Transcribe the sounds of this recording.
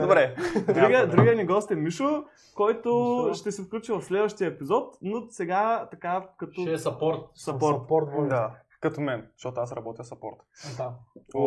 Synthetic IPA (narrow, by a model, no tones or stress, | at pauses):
d̪obɾɛd̪ɾiɡəd̪ɾiɡəniɡɔst̪ɛmiʃo | kɔjt̪ʊʃt̪ɛsifklʲut͡ʃivɐfslɛd̪vəʃt̪ijəɛpizɔt̪nosɛɡat̪ɐkakɐt̪osɐpɔɾt̪̚sɐpɔɾt̪pɔɾt̪d̪a | kɐt̪omɛnzɐʃt̪ɔt̪oasɾɐbɔt̪iəfsɐpɔɾt̪a